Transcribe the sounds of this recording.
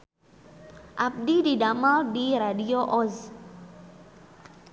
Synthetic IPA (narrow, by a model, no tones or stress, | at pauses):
ʔap̚dididamaldiɾadioʔɔz